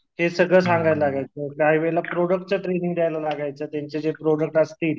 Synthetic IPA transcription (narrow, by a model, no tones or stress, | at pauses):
ɦesəɡɭəːs̬aŋɡajllaɡajt͡səkaɦiːʋelapɾoɽək̚ʈ̚t͡səʈɾeniŋɡd̪jajlalaɡajt͡sət̪jaɲt͡ɕed͡zepɾoɽək̚ʈəst̪iːl